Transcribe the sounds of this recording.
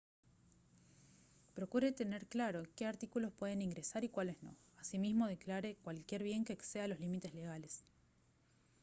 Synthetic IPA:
pɾo̞kuɾe̞t̪e̞ne̞ɾklaɾo̞keaɾt̪ikulo̞spwe̞ð̞e̞niŋɡɾesaɾikwale̞sno̞̰asimizmo̞ð̞e̞klaɾe̞kwalkje̞ɾβje̞ŋkeːksealo̞zlimit̪e̞zle̞ɣ̞ales

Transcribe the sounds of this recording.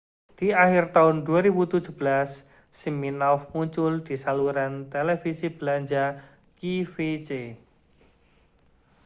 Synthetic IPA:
d̪̥iaxirt̪aʊnd̪uaɾibut̪u̥d͡ʒṳbəlasː | iminɔfmuɲt͡ʃʊld̪̥isaluɾant̪elefisib̥əlaɲd͡ʒa | kifet͡ʃe

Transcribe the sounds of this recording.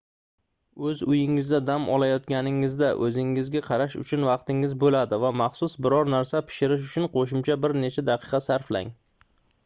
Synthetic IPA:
ɵzʊjɪŋɪzd̪ad̪amʔɒ̰lajɒt̪̚kʲanɪŋɪzd̪aʔɵzɪŋːɪzɡʲaqʰɑɾaʃʊ̰t͡ʃʰʊnvɑqt̪ɪŋɪzbolad̪ɪvamɑχsʊsbɪɾɒɾnaɾsapʰɪ̥ʃɪɾɪʃ̬ʊt͡ʃʰʊnqʰoʃ̬ɪmt͡ʃʰabɪɾnet͡ʃʰad̪ɑqʰɨ̥qɑsaɾfla̰ŋ

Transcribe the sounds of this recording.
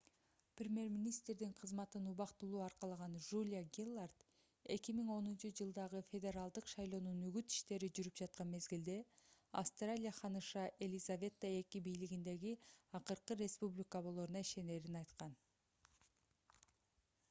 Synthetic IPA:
prʲemʲje̞ɾmʲinʲist̪ɾd̪iŋqʰɯzmɑt̪ɯnuβɑqt̪ulˠuːɑɾqɑlˠɑʁɑnʒulʲjaɡʲilˠːart̪ | e̞̰kimiŋo̞nunt͡ʃɯd͡ʒɯlˠd̪ɑʁɯfʲe̞d̪ʲe̞ɾɑlˠd̪ɯqʃɑjlˠo̞ːnunyɡyt̪i̥ʃt̪e̞ɾid͡ʒyɾyp̚d͡ʒɑt̪̚qɑnme̞zɡild̪e̞ɑ̰fst̪ralʲijaχɑnɯʃɑʔe̞lʲizavʲe̞t̪ːəe̞kibijliɡind̪e̞ɡiɑqɯɾqɯɾʲe̞spublʲikəβo̞lˠoɾunɑiʃe̞ne̞ːɾinɑjt̪qɑn

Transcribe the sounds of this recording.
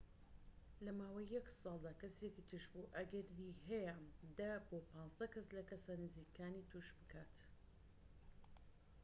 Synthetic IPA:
lɐmaːwɐjːɐksɑːlˠd̪aːkɐsekit̪ʰɨʃbuʔɐɡɐɾiɦɛjad̪aboːpɑːnzd̪ɐkʰɐslɐkɐsanɨziːkʰaːniːt̪ʰuʃbɨkʰaːt̪

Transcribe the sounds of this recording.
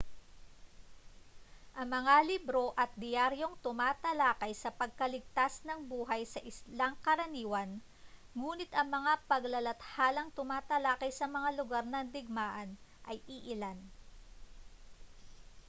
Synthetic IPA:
ʔɐŋmɐŋalɪbɾo̞ʔɐt̪̚d̪ɪjaɾjo̞ŋt̪ʊmaːt̪ɐlaːkɐjsɐpɐɡ̚kɐlɪɡ̚t̪asnɐŋbuːɦɐjsɐʔɪslaŋkɐɾɐniːwɐn | ŋuːnɪt̪ʔɐŋmɐŋapɐɡlɐlɐt̪haːlɐŋt̪ʊmaːt̪ɐlaːkɐjsɐmɐŋalʊɡaɾnɐŋd̪ɪɡ̚maːʔɐnʔɐjʔɪʔɪlan

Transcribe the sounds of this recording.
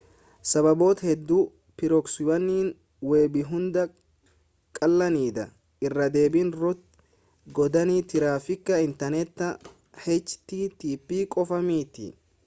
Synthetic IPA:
sɐβɐbo̞ːt̪hɛd̪ːuː | pɪɾɔkswɐnːiːn | weːbɪɦʊnd̪ɐ | kʼɐlːɐniːd̪ɐ̰ | ʔɪrːɐd̪e̞ːbinɾʊt̪̚ | ɡɔd̪ɐnit̪ɪɾaːfɪkːɐɪnt̪ɐnɛt̪ːɐ | hɛt͡ʃːt̪iːt̪iːpːiːkʼɔfɐmiːt̪ɪ̰

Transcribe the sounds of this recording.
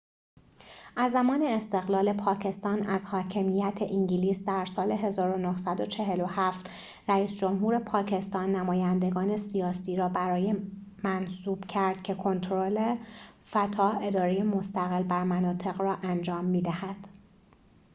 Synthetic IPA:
ʔæzːæmɒːne̞ːst̪e̞ɣlɒːle̞pʰɒːcʰe̞st̪ɒːnæzhɒːcʰe̞mijæt̪ʰeʔiɲɟiliːsd̪æɾsɒːle̞ɦe̞zɒːɾo̞nohsæd̪o̞t͡ʃʰe̞ɦe̞lo̞hæft̪ | ræiːsd͡ʒo̞mɦuːɾe̞pʰɒːcʰe̞st̪ɒːnːæmɒːjænd̪e̞ɡɒːne̞sijɒːsiːɾɒːbæɾɒːjemænsuːb̥cʰæɾd̪̥cʰe̞kʰo̞nt̪ʰɾolefæt̪ʰɒːe̞d̪ɒːɾeje̞mo̞st̪æɣe̞lbæɾmænɒːt̪ʰe̞ɣrɒːʔænd͡ʒɒːmːiːd̪æhæd̪̥

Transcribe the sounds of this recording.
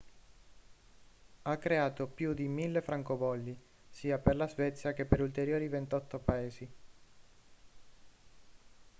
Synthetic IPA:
akːɾeaːt̪opjud̪imilːefɾaŋkovɔlːi | siːaperlazvɛt̪sːjak̟epːeɾult̪eɾjoːɾivent̪ɔt̪ːopaeːsi

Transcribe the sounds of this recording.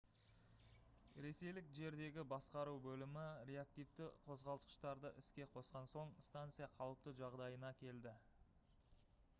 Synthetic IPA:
ɾe̞se̞jlɪkʒe̞ɾd̪e̞ɡʲɪbɑsqɑɾuwbɵlɪmɪɾe̞ak̚t̪ijvt̪ɪqʰo̞zʁɑlˠt̪ə̥ʃt̪ɑɾd̪əʔɪskʲe̞qʰo̞sqɑnso̞ɴst̪ant̪sɨijɑqʰɑlˠəp̚t̪əʒɑʁd̪ɑjənɑkʲʰe̞ld̪ɪ

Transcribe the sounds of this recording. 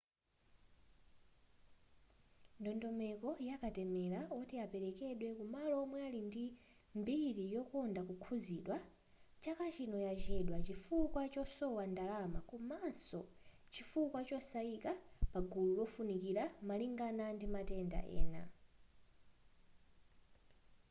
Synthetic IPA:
ndɔndɔmɛkɔjakatɛmɛlaɔtiapɛɾɛkɛɗwɛkumalɔmwɛalindi | mbiɾijɔkɔndakukʰuziɗwa | t͡ʃakat͡ʃinɔjat͡ʃɛɗwat͡ʃifukwat͡ʃɔsɔwandalamakumasɔ̰ | t͡ʃifukwat͡ʃɔsaikapaɡululɔfunikiɾamaliŋɡanandimatɛnda̰ʔɛ̰ːna̰

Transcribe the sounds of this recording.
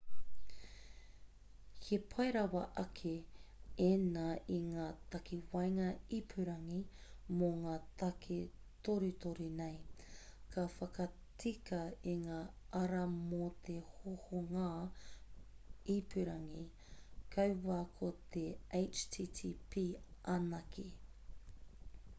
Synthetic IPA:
kʰepʰɐejɾɐwɐʔɐkʰeenaiŋaːt̪ɐkiwɐjŋɐipʰʉɾɐŋimoŋaːt̪ɐkʰe | t̪oɾʉt̪oɾinejkʰɐfɐkɐ | t͡sikɐiŋaːʔɐɾɐmot̪ehohoŋaː | ipʉɾɐŋi | kʰɐwwaːkʰot̪eejt͡ʃtʰiːtʰiːpʰiʔɐnɐkʰi

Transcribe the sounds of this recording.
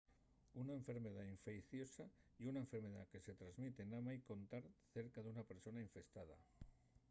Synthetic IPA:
unaeɱfe̞ɾmeðaiɱfekθjosaiunaeɱfeɾmeða̰keset̪ɾazmit̪enamajko̞nt̪aɾθeɾkaðunapeɾsonaiɱfest̪að̞a̰

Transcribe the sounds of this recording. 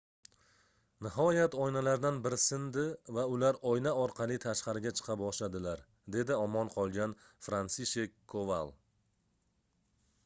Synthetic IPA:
nɪɦɒjat̪ɒjnalaɾd̪anbɪɾsɪnd̪ɪvaʊlaɾɒjnaɒɾqʰɑlˠɪt̪ʰaʃqɑɾɪɡʲat͡ʃʰɨ̥qʰɑpbɒʃlad̪ɪlaɾ | d̪e̞d̪ɪɒmɒnqʰɒlˠɡʲan | fɾansiʃekʰːova̰lˠ

